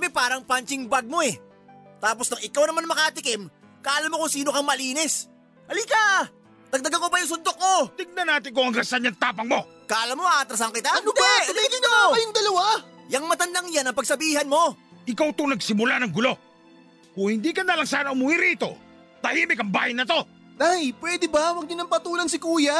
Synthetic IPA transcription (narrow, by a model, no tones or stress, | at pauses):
mɛpaːɾɐŋpant͡ʃɪŋbaɡ̚mo̞ɛ | t̪aːpo̞snɐŋɪkawnɐmanmɐkat̪ɪkɛm | kɐʔɐlamːokʊŋsiːnokɐŋmɐliːnɛs | ʔɐlika | t̪ɐɡ̚d̪ɐɡɐŋkopɐjʊŋs̬ʊnd̪ok̚ːo̞t̪ɪɡ̚nɐnaːt̪ɪŋkoɐŋɾɐsaɲːɐŋt̪aːpɐŋmo̞ | kɐʔɐlamːoaɐt̪ɾɐs̬ɐŋkɪt̪ad̪ɛliɪnɐjʊŋd̪ɐlɐwajɐŋmɐt̪ɐnd̪aŋjanɐŋpɐɡsɐbiːɦɐnmo̞ʔɪkawt̪uŋnɐɡsɪmʊlanɐŋɡʊlo̞ | kʊŋhɪnd̪ikɐnalɐŋsaːnɐʊmuːhɪɾiːt̪o̞̰ | t̪ɐhiːmɪkɐŋbaːjɪnɐt̪o̞ | d̪ahɪlpwɛːd̪ɛbawɐɡ̚nɪnɐŋpɐt̪uːnɐŋs̬ɪkuːja